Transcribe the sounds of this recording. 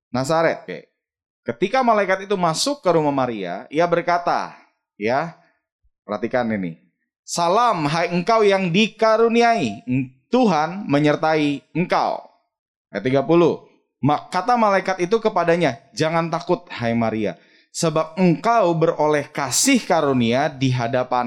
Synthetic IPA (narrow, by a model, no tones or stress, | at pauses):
nasaɾɛt̪̚ka̰j̰ | kət̪ikamalaikat̪it̪umasʊkːəɾumahmaɾia̰iabərkat̪a̰ | ja | pərha̰t̪ikaninḭ | salamɦajəŋkawjaŋdikaɾuniait̪uɦanməɲərt̪aiəŋka̰w | ət̪̬iɡapulʊh | makat̪amalaikat̪it̪ukəpadaɲad͡ʒaŋant̪akʊt̪̚hajmaɾia̰ | səbap̚əŋkawbərolɛhkasɪhkaɾuniadiɦadapa